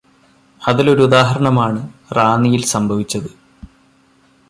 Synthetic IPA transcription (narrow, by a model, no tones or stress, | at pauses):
ɐðilo̞ɾuud̪aːɦɐɾɐɳɐmaːɳɨraːnijilsɐmbʱɐʋit͡ɕːɐðɨ